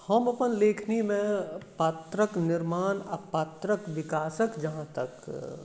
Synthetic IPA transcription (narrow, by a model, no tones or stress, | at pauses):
hɐmɐpənleːkʰnimẽpat̪ɾəknɪɾmaːnɐpːɐt̪ɾəkʋɪkaːsəkd͡ʒɐɦãt̪ɐk